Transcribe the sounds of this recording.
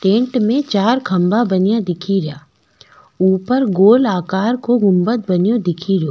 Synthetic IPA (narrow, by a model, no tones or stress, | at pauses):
ʈẽːɳʈmẽt͡ʃaːɾkʰɐ̃mbabɐnjad̪ɪkʰiɾjaː | uːpəɾɡoːlaːkaːɾkoɡʊ̃mbət̪̚bɐnjod̪ɪkʰiɾoː